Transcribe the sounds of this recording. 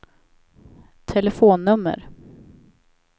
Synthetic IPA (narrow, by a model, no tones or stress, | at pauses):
t̪ʰɛlɛfoːnːɵmːə̰ɾ